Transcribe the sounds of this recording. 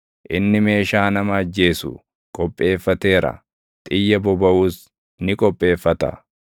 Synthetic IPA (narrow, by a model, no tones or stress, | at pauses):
ʔɪnːɪme̞ːʃaːnɐmɐːd͡ʒːe̞ːsʊ̰ | kʼɔpʼːe̞ːfːɐt̪e̞ːɾɐ̰ | t̪ʼɪjːɐbɔbɐʔuːs | nɪkʼɔpʼːe̞ːfːɐt̪ɐ̰